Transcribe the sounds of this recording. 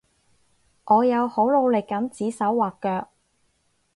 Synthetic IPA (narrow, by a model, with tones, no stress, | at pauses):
ʔɔː˨˧jɐ˨˧who˨˥wlo˨˧wlɪ˨kːɐ˨˥mt͡siː˨˥sɐ˨˥wːaː˨˩kːœː˧k̚